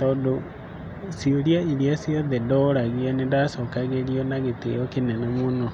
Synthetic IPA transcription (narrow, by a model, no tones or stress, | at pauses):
tɔːdo | sioɾjaiɾiasiɔðɛdɔɾaɣianendasɔkaɣeɾiɔnaɣetḛjɔkenɛnɛmono